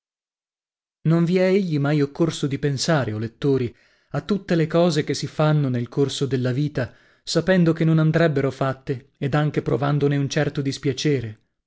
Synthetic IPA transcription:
noɱviɛeʎːimajokːorsod̪ipensaːɾeolet̪ːoːɾi | at̪ːut̪ːelekɔːzek̟esːifanːonelkorsod̪elːaviːt̪a | sapɛnd̪okenːonand̪ɾɛbːeɾofat̪ːeː | d̪aŋkepɾo̰vand̪oneunt͡ʃɛrt̪od̪ispjat͡ʃɛːɾe

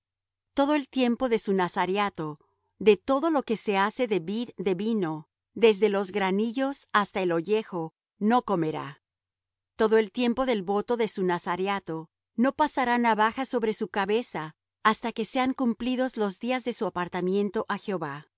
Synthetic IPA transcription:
t̪o̞ðoe̞lt̪je̞mpo̞ðe̞sunasaɾjat̪o | ðe̞t̪o̞ðo̞lo̞ke̞se̞ase̞ðeβiðd̪e̞βino̞ | ðe̞zðe̞lo̞zɣɾaniʝo̞sast̪ae̞lo̞ʝe̞xo̞ | no̞ko̞me̞ɾa̰ | t̪o̞ðo̞e̞lt̪je̞mpo̞ðe̞lβo̞t̪o̞ðe̞sunasaɾjat̪o̞ | no̞pasaɾanaβaxaso̞βɾe̞sukaβe̞saː | st̪ake̞se̞aŋkumpliðo̞zlo̞zd̪iazðe̞suapaɾt̪amjẽ̞nt̪o̞ʔaxeoβa

